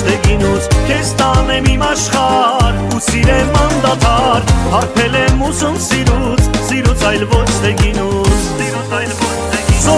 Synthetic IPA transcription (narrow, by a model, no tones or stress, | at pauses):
d̪ɛɡinusk̪ʰɛst̪ɑnɛmimɑʃχɑɾ | usiɾɛmːɑnd̪at̪ʰɑɾhɑɾpʰɛlɛmusumsiɾut͡sʰsiɾut͡sʰɑjlvɔt͡ʃʰt̪ɛɡinussiɾut͡sʰɑjlvɔt͡ʃ̪ɛ